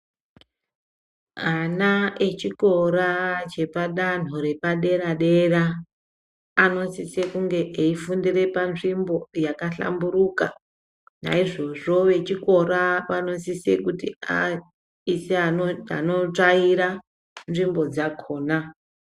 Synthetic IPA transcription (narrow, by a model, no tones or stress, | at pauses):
anae̞t͡ʃiko̞ɾat͡ʃe̞paɗan̤uɾe̞paɗe̞ɾaɗe̞ra | no̞sise̞kuŋɡe̞ʔeifundire̞panʐimbo̞jakaɬa̰mbuɾuka | na̰iʐo̞ʐo̞ʋe̞t͡ʃiko̞ɾapano̞sisḛkutia | iseaoa̰no̞t͡ʂaiɾa | nʐimbo̞d͡zakʰo̞ːna